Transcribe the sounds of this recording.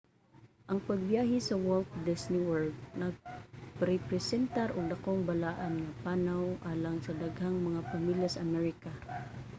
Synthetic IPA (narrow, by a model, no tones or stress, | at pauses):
ʔɐŋpɐɡ̚bjaːɦɪsɐwɔlt̪̚d̪ɪsnɪwɔɹɡ̚nɐɡ̚pɾɛpɾɛsɛnt̪aɾʔoɡd̪ɐkoŋbɐlaːʔanŋɐpaːnawʔaːlaŋsɐd̪ɐɡhaŋmɐŋapɐmiljasɐʔɐmɛɹɪka